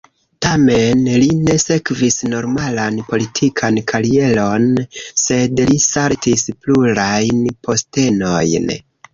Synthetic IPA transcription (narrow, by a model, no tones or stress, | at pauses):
tame̞nline̞se̞kvisno̞ɾmalanpo̞litʰikʰankʰalie̞lo̞nse̞dlisaɾtispluɾajnpʰo̞ste̞no̞jn